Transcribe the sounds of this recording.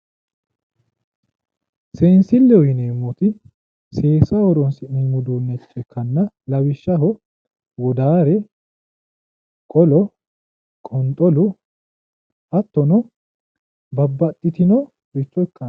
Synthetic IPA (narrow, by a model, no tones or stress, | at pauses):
seːnsɪlːɛɔjɪneːmːɔt̪ɪ | se̞ːsɐɔɾɔnsɪʔimʊd̪oːnːɛt͡ʃʼːɛkːɐnːɐ | lɐwɪʃːɐɦɔ | wɔd̪aːɾɛ | kʼɔlɔ | kʼɔnt̪ʼɔlʊ | ɐt̪ːɔnɔ | bɐbːɐt̪ʼːɪt̪ɪnɔ | ɾɪt͡ʃːɔɛkːɐ